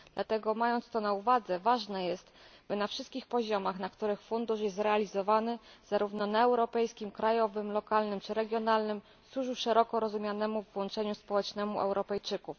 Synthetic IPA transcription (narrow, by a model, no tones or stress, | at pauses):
d̪lat̪ɛɡɔmajɔnt̪st̪ɔnauvad̪zɛvaʐnɛjɛst̪b̥ɘnafʂɘst̪̚kʲixpɔʑɔmaxnakt̪uɾɘxfund̪uʂjɛst̪ɾɛalʲizɔvanɘz̥aɾuvnɔnaɛwɾɔpɛjskʲimkɾajɔvɘmlɔkalnɘmt͡ʂɘɾɛɡʲjɔnalnɘm | swuʐuʂɛɾɔkɔɾɔzumʲjanɛmuvwɔnt͡ʂɛɲuspɔwɛt͡ʂnɛmuʔɛ̰wɾɔpɛjt͡ʂɘkuf